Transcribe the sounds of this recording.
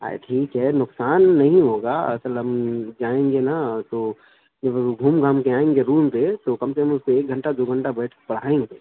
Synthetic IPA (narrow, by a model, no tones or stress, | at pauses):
a̰ḛʈʰiːkɦɛnʊksaːnːɐɦĩɦoɡaɐ̰səlɦəmd͡ʒaːẽŋɡenat̪o | d͡ʒəbɡʱuːmɡʱaːmkeaːẽːŋɡeɾuːmpet̪okɐmsekəmʊskoeːk̚ɡʱə̃ɳʈad̪oɡʱə̃ɳʈabɛːʈʰpəɽ̤aːẽːŋɡeː